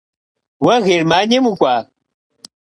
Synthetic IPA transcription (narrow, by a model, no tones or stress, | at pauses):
wɐɣiɾmaɲemukʷa